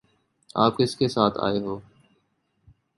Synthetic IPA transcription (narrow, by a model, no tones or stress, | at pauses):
a̰ːp̚kɪskesaːt̪ʰa̰ːeːɦoː